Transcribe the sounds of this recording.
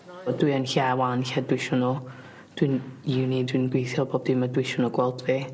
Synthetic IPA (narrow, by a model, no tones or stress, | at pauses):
ɔdwiənɬɛwanɬɛdwɪʃʊnɔ | d̥winiwnidwinɡwejθjɔboːb̚d̥imadwɪʃʊnɔɡwɛlˠdve